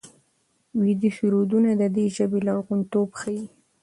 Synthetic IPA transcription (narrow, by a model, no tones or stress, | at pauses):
wid̪iʃuɾod̪unad̪əd̪eʒəbelaɣunt̪obxaji